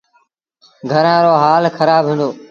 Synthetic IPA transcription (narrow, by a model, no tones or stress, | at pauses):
ɡʱəɾãːɾoːɦaːlxʰəɾaːbɦĩːnd̪oː